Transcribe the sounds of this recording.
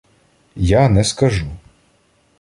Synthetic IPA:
janɛskɐʒu

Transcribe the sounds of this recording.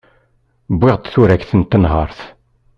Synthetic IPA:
bːɪʁt̪θʊɾækθənt̪ːənɦɑɾˤθ

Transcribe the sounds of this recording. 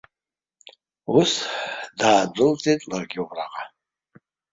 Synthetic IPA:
usdaːd͡zʷʊlt͡sʼetʼlarɡʲɪubraqʼa

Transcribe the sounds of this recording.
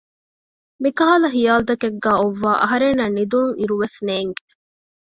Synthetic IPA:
mikɐɦaːlɐxijaːld̪ɐkeɡːæːoʋːaːʔɐ̰ɦɐɾenːɐnid̪uŋiɾuʋesneːŋɡe

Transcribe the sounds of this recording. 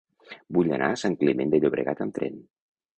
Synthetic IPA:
buʎa̰nʔa̰saŋklimend̪əʎoβɾə̰ɣat̪əmt̪ɾɛ̰n

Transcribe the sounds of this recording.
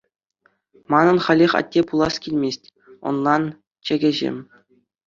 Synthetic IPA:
mɑnɤ̆nχɑlʲeχʲɑ̰tʲːepulˠɑskʲilʲmʲesʲtʲ | ŏ̰nlˠɑn | t͡ɕĕɡʲɘ̆ʑḛmʲ

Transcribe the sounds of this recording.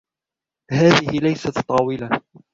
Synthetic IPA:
haːðɪhɪlajsat̪t̪ˤːɑːwɪla

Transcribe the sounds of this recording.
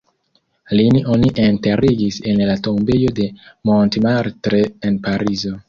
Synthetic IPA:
liniʔoniʔenteɾiɡisenlatombejo̞de̞montemaɾtɾeːnpaɾizo

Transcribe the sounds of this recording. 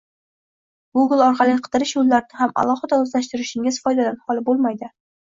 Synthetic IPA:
ɡuɡlˠɒɾqʰɑlɪqʰɨ̥d̪ɨɾɪʃjolːaɾnɪɦama̰lˠɒhɨd̪aɵzlaʃt̪ɪɾɪʃɪŋɪz̥fɒjd̪ad̪anhɒlˠɪbolˠmajd̪ɪ

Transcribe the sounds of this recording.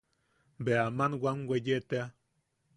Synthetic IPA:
beamanwʷaŋwʷejet̪ea

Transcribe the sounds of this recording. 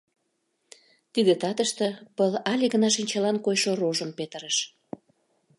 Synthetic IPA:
t̪id̪et̪ɑt̪əʃt̪ə̆pəlɑlʲiɣə̆nɑʃinʲt͡ɕɑlɑnkojʃoroʒəmpet̪ə̆ɾəʃ

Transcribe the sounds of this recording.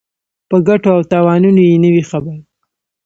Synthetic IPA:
pəɡaʈoawt̪ɑwɑnunojenəwixabaɾ

